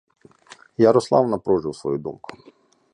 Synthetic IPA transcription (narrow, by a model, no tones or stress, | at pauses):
jɐɾɔslˠɑ̰wnɐpɾɔʒɪwsʋɔ̰jud̪ṵmkʊ̥